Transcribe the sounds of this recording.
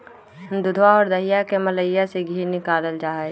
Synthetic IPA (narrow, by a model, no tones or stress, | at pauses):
d̪ʊd̪ʱwaɔːɾd̪əɦɪjakemɐləjjaseɡʱiːɾnɪkaːləld͡ʒaːɛ